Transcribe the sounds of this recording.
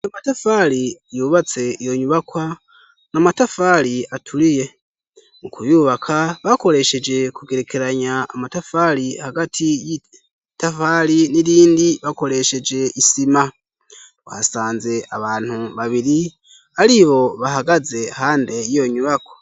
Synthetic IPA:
jomatafaɾijuːβat͡se̞ijo̞ɲuβakwa | namatafaːɾiatʰuɾije̞ | mukujuːβakʰaβako̞ɾe̞ʃe̞d͡ʒe̞kuɡe̞ɾe̞kʰe̞ɾaɲa̰ːmatafaːɾihaɡatʰiji | tafaɾiniɾiːndiβako̞ɾe̞ʃe̞d͡ʒe̞ʔisima | wa̰saːnze̞ʔaβaːn̥huβaβiɾi | aɾiβo̞βaɦaɡaze̞haːnde̞jijo̞ɲuβakwḁ

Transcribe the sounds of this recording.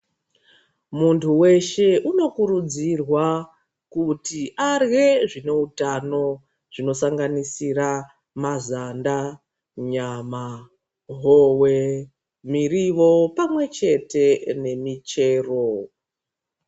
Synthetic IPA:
muntʰuwe̞ʃe̞ʔuno̞kuɾud͡zirwa | kutiʔarɣe̞ʐine̞utano̞ | ʐ̥ino̞saŋɡanisira | mazanda | ɲama | ɦowe | miriʋo̞pamwe̞t͡ʃe̞te̞ne̞mit͡ʃe̞ːro̞

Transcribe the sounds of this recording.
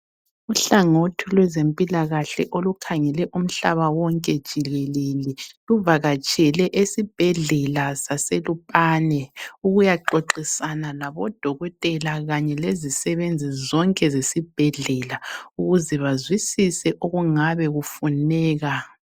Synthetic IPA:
uɬaŋotʰilwɛzempʼilaɣaɬɛ̰ʔolukʰaŋɛlɛʔum̩ɬaβawɔŋkʼɛd̥ʒ̥ʱilɛlelɛluvaɣat͡ʃʼɛlɛʔesib̥ʱɛɮɛlasaselupʼaːnɛuɣujaǃoǃisananaβɔd̥ʱɔɣɔtʼɛlaɣaɲɛlezisɛβend͡zʱizɔŋkʼɛzesib̥ʱɛɮɛlauɣuzɛβazwisisɛʔoɣuŋaβɛɣufunɛːɣa

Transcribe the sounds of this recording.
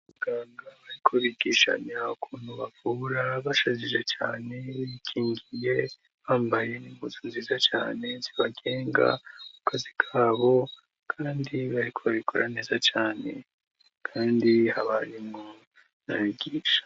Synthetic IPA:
βuɡaːŋɡaβaɾikʰo̞βiɡiːʃa̰ɲaukʰuːnhuβavuːɾaβaʃaziʒe̞t͡ʃaːne̞βikʰiːŋɡije̞ | βaːmbaje̞niɡuzunziːzat͡ʃa̰ːne̞nziβaɡe̞ːŋɡa̰mukʰazikʰaːβo̞ | kʰaːndiβaɾikʰo̞βaβikʰoɾʔa̰ne̞ːzat͡ʃaːne̞̰ | kʰaːndihaβaɾimŋo | naβiɡiːʃḁ

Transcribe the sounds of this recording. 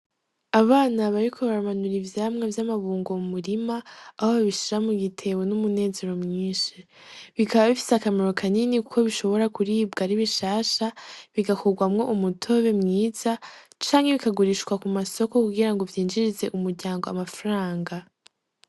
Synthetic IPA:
aβaːnaβaɾikʰo̞βaɾamanuɾivjaːmŋevjamaβuːŋɡomumuɾimaːhoβaβiʃiɾamuɡitʰe̞wenumune̞ːze̞ɾo̞mŋiːnʃi | βikʰaβaβifi̥seakameɾo̞kʰaninikukʰo̞βiʃo̞βo̞ɾakuɾiːbɡaɾiβiʃaːʃaβiɡakoɾɡwamŋo̞ʔumutʰo̞βe̞mŋiːz̥at͡ʃaːŋheβikaɡuɾiːʃkwakumaso̞ko̞kuɡiɾaŋɡo̞vjiːnd͡ʒiɾize̞ʔumuɾɟaːŋɡo̞a̰mafaɾaːŋɡa

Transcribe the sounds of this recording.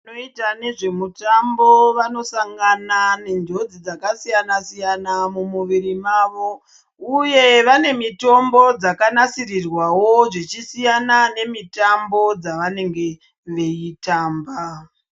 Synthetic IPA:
noitane̞ʐe̞mutambo̞ʋano̞saŋɡanane̞nd͡ʒo̞d͡zid͡zakasijanasijanamumuʋiɾimaːʋo̞ | uje̞ʋane̞mito̞mbo̞d͡zakanasirirwawo̞ʐet͡ʃisijanane̞mitambo̞d͡zaʋane̞ŋɡe̞ | ʋe̞jitaːmba

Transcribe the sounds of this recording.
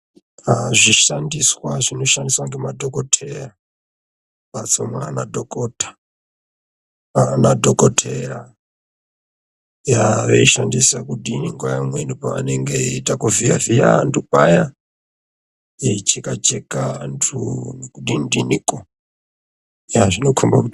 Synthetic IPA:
aʐiʃandiswaʐino̞ʃandiswaŋɡemadʱokotʰera | pat͡somwa̰nadʱokotḁ | anadʱokotʰeɾa | jaʋeiʃandisakuɗiniŋɡojamwenupaa̰neŋɡetakuvija̰vija̰ntʰupaja | it͡ʃikat͡ʃekantʰukuɗindiniko | jaʐino̞kʰomba̰kuti

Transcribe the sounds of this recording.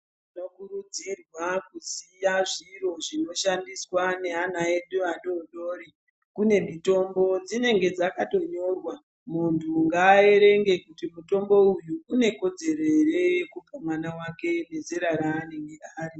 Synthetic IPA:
ino̞kuɾud͡zirwakusijaʐiro̞ʐino̞ʃandiswane̞anaeɗuʋaɗoɗo̞ːɾi | kune̞mito̞mbo̞d͡zine̞ŋɡe̞d͡zakato̞ɲo̞rwa | muntʰuŋɡaːe̞ɾe̞ŋɡe̞kutimuto̞mbo̞ujuːne̞ko̞d͡ze̞ɾerejekupamwanawake̞ne̞zeɾaɾaːne̞ŋɡeaːɾi

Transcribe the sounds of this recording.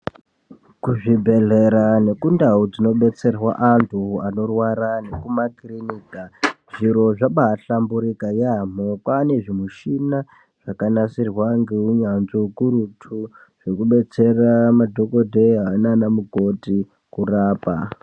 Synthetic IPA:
kuʐibʱe̞ɮeɾane̞kundaud͡zino̞ɓe̞t͡se̞rwa̰ʔantʰuano̞rwaɾane̞kumakiriniːka | ʐ̥iɾo̞ʐaɓaːɬambuɾikajam̤okwane̞ʐimuʃina | ʐ̥akanasirwaŋɡeuɲanzokuɾutʰu | ʐ̥ekuɓe̞t͡se̞ramadʱo̞ko̞dʱeɦainanamuɡʱo̞ti | kuraːpa̰

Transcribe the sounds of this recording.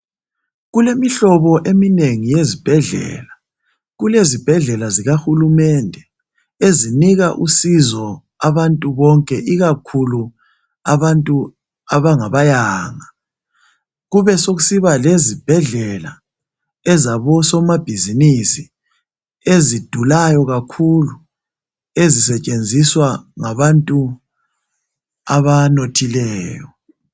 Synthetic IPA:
ɣulemiɬɔβɔʔemineŋijezib̥ʱɛɮɛ̰ːla | ɣulezib̥ʱɛɮɛlaziɣaxulumɛndʱɛ | eziniɣaʔṵsizɔ | aβantʼuβɔŋkʼɛʔiɣakʰulu | aβantʼu | aβaŋaβajaːŋa | ɣuβɛsoɣusiβalezib̥ʱɛɮɛla̰ | ɛzaβɔsɔmab̥ʱizinisi | ezid̥ʱulajɔɣakʰulu | ezisɛt͡ʃʼend͡zʱiswaŋaβantʼu | aβanotʰilɛːjɔ

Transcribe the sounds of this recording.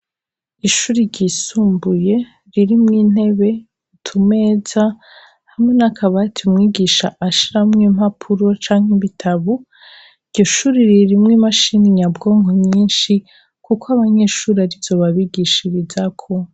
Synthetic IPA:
iʃuːɾiɾɟisuːmbuje̞ | ɾiɾimŋiːn̥e̞βe̞ | utʰume̞za | hamŋe̞nakʰaβatʰiumŋiːɡiʃaʔːʃiɾamŋem̥hapʰuɾo̞t͡ʃaːŋ̥iβitʰaβu | iɾɟoʃuːɾiɾiɾimŋimaʃiniɲabɡo̞ːŋɡomɲiːnʃi | kukoaβaɲe̞ʃuːɾiaɾiz̥o̞βaβiɡiʃiβizakʰo

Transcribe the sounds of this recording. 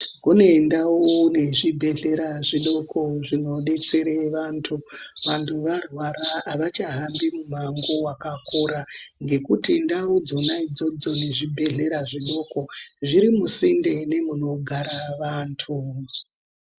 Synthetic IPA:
kune̞ndawone̞ʐibʱe̞ɮe̞ɾaʐiɗo̞koʐino̞ɗe̞t͡se̞ɾeʋaːntʰuʋantʰuʋarwaɾaːʋat͡ʃaɦambimumaŋɡowakakoɾaŋɡe̞kutindaud͡zonaid͡zo̞d͡zo̞ne̞ʐibʱe̞ɮe̞ɾaʐiɗo̞ko̞ʐiɾimusinde̞ne̞muno̞ɡʱaɾaʋaːntʰu

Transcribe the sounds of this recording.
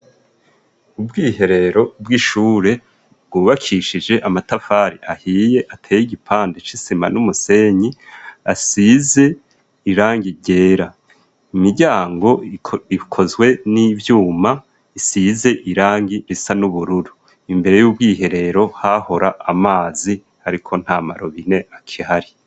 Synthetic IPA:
ubɡiːɦe̞ɾe̞ɾo̞bɡiʃuːɾe̞ | b̚ɡwuːβakʰiʃid͡ʒe̞ʔamatafaːɾiʔahiːje̞ʔatʰeːjiɟipʰaːndet͡ʃisima̰numuse̞ɲiasize̞ | iɾaːŋɡiɟe̞ːɾa | imiɟaːŋɡo̞ikʰo̞zwe̞nivjuːma | isize̞ʔiɾaːŋɡiɾisanuβuɾuɾu | imbe̞ɾe̞juːb̚ɡiːɦe̞ɾe̞ɾo̞haho̞ɾaʔːmaːzi | haɾikʰo̞n̥haːma̰ɾoβineakʰihaɾi

